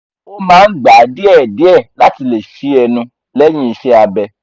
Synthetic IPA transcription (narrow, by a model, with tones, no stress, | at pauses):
o˦mãː˦n̩˦ɡ͡ba˨di˦ɛ˦˨di˨˦ɛ˦˨la˦ti˧le˨ʃi˨˦ɛ˧nũ˧ | lɛ˦j̃ĩ˦i˧ʃɛ˦a˧bɛ˧